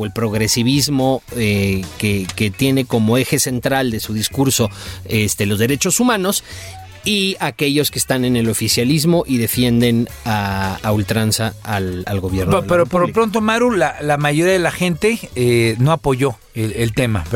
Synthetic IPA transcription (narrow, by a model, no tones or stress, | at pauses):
e̞lpɾo̞ɣɾe̞siβ̞izmo̞ekeket̪je̞ne̞ko̞mo̞e̞xe̞se̞nt̪ɾald̪e̞suðiskuɾso̞est̪e̞lo̞zðe̞ɾe̞t͡ʃo̞sumãno̞s | iake̞ʝo̞skeːst̪ane̞ne̞lo̞fisjalizmo̞ʔiðe̞fje̞nd̪e̞n | aːult̪ɾansaːlalɣo̞β̞je̞ɾnoðpeɾopoɾlopɾo̞nt̪̬o̞maɾulalamaʝoɾiaðelaxe̞nt̪e̞eno̞apo̞ʝo̞ | elelt̪e̞map